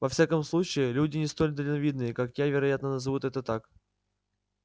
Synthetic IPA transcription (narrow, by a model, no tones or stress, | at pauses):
vɐfsʲakəmslˠut͡ɕɪɪlʲudʲɪnʲɪst̪o̞lʲd̪əlʲɪnɐvʲid̪nɨjəkakjavʲɪɾɐjat̪nənəzɨvut̪ɛt̪ət̪ak